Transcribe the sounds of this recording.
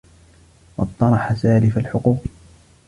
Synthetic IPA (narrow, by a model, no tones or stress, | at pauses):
wɑt̪ˤːɑnˤɑħasaːlɪfalħʊquːq